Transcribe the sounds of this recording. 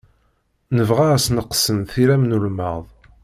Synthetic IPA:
nəvʁæsnəqsənθiɾæmnulməðˤ

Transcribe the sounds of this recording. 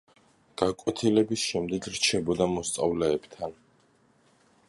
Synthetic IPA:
ɡ̥akʼwɛt̪ʰilɛbisʃɛmd̪ɛɡɾt͡ʃʰɛbɔd̪amɔst̪sʼavlɛːbt̪ʰan

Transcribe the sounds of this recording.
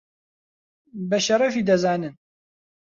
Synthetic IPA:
bɐʃɐɾɐfiːd̪ɐzaːnɨn

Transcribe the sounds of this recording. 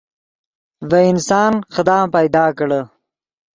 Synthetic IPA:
vaɪnsɑːnxəd̪ɑːpajd̪ɑːkɽə

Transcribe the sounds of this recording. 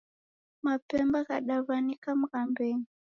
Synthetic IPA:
mapɛmbaɣaɗaβanikam̩ɣambɛŋi

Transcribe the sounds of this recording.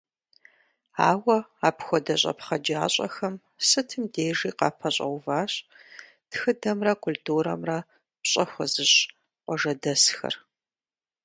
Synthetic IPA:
aːwɐaːpxʷɔdɐɕʼɐ̰pχɐd͡ʒaːɕʼɐ̰xɐm | sɨtʰɨmdeːʒiːqɑːpʰɐɕʼɐ̰wvaːɕʼ | txɨdɐmrɐkʰʊltʰuːɾɐ̰mrɐ | pɕʼɐxʷɔzɨɕ | qʷɔʒɐdɐsxɐ̰r

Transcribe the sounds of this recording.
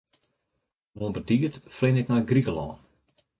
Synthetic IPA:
uənpərtiːətflɪnɪknajɡrikəlɔ̰ːn

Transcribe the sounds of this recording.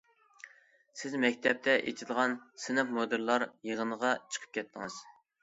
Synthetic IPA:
sɪzmɛkʲt̪ʰɛp̚t̪ʰɛʔḛt̪ʰɪd̪əʁɑnsɪnɑfmod̪ɨɾlˠɑɾjəʁənəʁɑt͡ʃʰə̥qʰə̥p̚kʲʰɛt̪ʰːɪŋɨz̥

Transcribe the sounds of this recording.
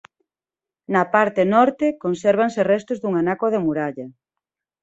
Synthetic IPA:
nɐpaɾt̪enɔɾt̪ekonsɛɾβ̞anserɛst̪ʊzðuŋanakoð̞emuɾaʎɐ

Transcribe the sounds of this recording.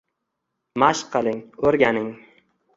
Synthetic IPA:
maʃqʰːɨlˠɪŋɵɾɡʲanɪŋ

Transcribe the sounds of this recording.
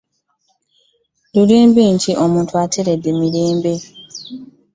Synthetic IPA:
luɾeːmbeːɲciʔo̞muːntuatʰeɾe̞dːe̞miɾeːmbe

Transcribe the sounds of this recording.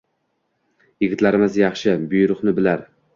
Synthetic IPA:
jɪɡʲɪt̪laɾɪmɪzjɑχʃɪbʊjɾʊχnɪbɪlaɾ

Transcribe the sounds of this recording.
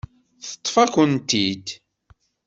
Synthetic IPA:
θə̥t̪ˤːfækənt̪id̪

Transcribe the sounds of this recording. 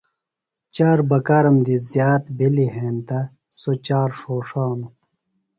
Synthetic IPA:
t͡ɕaːɾbɐkaːɾɐmd̪izjaːt̪biliɦẽːnt̪a | sot͡ɕaːɾʂoːʂaːnu

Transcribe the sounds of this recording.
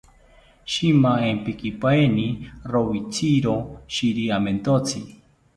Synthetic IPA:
ʃimaempikipaenirowit͡sʰiɾoʃiɾiament̪ot͡sʰi

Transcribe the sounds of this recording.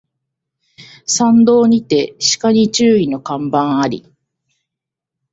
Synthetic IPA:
sãnd̪o̞ːɲ̟it̪e̞ɕi̥kaɲ̟it͡ɕɨːino̞kãmbãɰ̃aɾʲḭ

